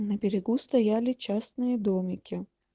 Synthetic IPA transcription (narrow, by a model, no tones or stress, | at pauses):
nɐbʲɪɾʲɪɡust̪ɐjalʲɪt͡ɕasnɨjəd̪omʲɪkʲɪ